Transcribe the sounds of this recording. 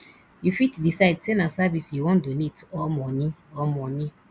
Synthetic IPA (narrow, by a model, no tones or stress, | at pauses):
jufitdisaɪdsenasavisjuwɔ̃ndonetɔmɔniɔmɔnĩ